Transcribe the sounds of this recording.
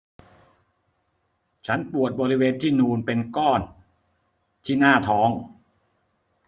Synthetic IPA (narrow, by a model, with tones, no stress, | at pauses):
t͡ɕʰa˦˥npu˨˩ət̪̚bɔː˧ɾi˦˥weː˧nt̪ʰiː˥˩nuː˧npe˧nkɔː˥˩n | t̪ʰiː˥˩naː˥˩t̪ʰɔː˦˥ŋ